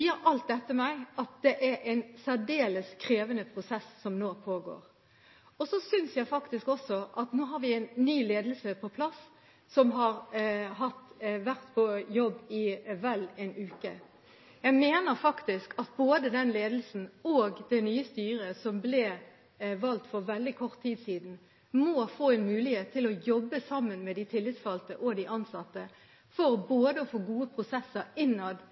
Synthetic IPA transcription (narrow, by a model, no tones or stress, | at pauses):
iːəɾʔɑlt̪̚d̪ɛt̪ːəmæɪɑt̪̚d̪ɛʔæɾʔɛɪnsæɖeːləskʰɾeːʋənəpʰɾʊsɛsːɔmnoːpʰoːɡo̰ːɾ | ɔsɔsʏnsjæɪfɑkt̪ɪskɔsːɔʔɑt̪noːɦɑɾʋɪæɪnːyːleːd̪əl̩səpʰɔpʰlɑs | sɔmɦɑɾɦɑt̪ʋæʁt̪pʰɔjɔbːɪʋɛlɛɪnʉːkə | jæɪmeːnəɾfɑkt̪ɪskʰɑt̪̚boːd̪əd̪ɛnleːd̪l̩sn̩oːɡd̪ɛnyːəst̪yːɾəsɔmblɛ | ʋɑlt̪fɔʁʋɛld̪ɪkʰɔʁt̪ʰːiːd̪siːd̪n̩ | moːfoːɛnmʉːlɪheːt̪ʰːɪlɔjɔbːəsɑmːənmɛd̪ɪt̪ʰɪlːɪt̪sfɑlt̪əʔɔd̪ɪʔɑnsɑt̪ːə | fɔʁboːd̪əɔfoːɡuːəpʰʁʊsɛsəɾɪnːɑd̪